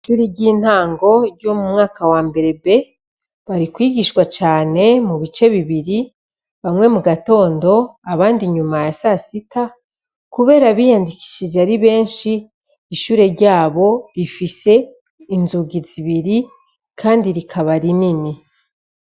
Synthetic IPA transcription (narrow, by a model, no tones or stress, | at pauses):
ʃuːɾiɟiːn̥haːŋɡo̞ɾɟo̞mumŋaːkawaːmbe̞ɾe̞be̞ | βaɾikwiːɡiʃkwat͡ʃaːne̞muβit͡ʃe̞βiβiɾi | βamŋe̞muɡato̞ːndo̞aβaːndiɲumajasasita | kuβe̞ːɾaβijandiki̥ʃid͡ʒeaɾiβe̞ːnʃiː | ʃuːɾe̞ɾɟaːβo̞ɾifise̞ | inzuɡiziβiɾi | kʰaːndiɾikʰaβaɾinini